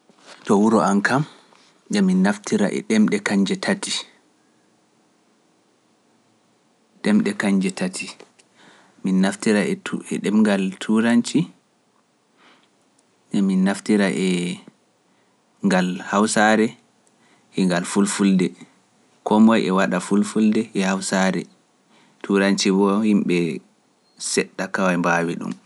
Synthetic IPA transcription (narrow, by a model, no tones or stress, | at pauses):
tɔwuɾɔankam | dɛminːaftiɾa̰ʔɛ̰ɗɛmɗɛkaɲd͡ʒɛtʰati | ɗɛmɗɛkaɲd͡ʒɛtʰatʰi | minːaftiɾaɛɛ̰ɗɛmŋɡaltʰuɾant͡ʃi | ɗɛminːaftiɾaʔɛ | ŋɡalhawsaɾɛ | ɛŋɡalfulfuldɛ | kɔmɔjɛwaɗafulfuldɛʔɛhawsaɾɛ̰ | tʰuɾant͡ʃibɔhimɓɛ | sɛɗːakawajmbaːwiɗṵm